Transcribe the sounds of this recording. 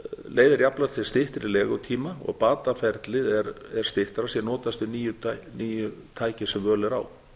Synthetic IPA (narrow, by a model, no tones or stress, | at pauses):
leːjðɪɾjaplaɾ̥t̪θɪ̥st̪ɪht̪ɪɾɪlɛːɣʏt̪ʰiːmaɔ̰ɣpaːt̪afɛɾt̪lɪðɛɾɛɾ̥st̪ɪht̪aɾasjɛnɔːt̪ast̪ʏniːjʏniːjʏt̪ʰaːjcɪ̥sɛmvœːlɛɾa̰ːw